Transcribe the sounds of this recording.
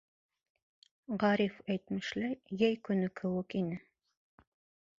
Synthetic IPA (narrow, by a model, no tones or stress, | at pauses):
ʁɑɾifæjt̪mɘ̆ʃlæjæjkɵ̆nɘkʰɘ̆wɘkinɘ